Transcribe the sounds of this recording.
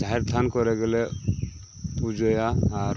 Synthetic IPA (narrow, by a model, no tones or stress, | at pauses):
d͡ʒaɦɛɾt̪ʰankɔɾɛɡɛlɛ | pud͡ʒɔjaaɾ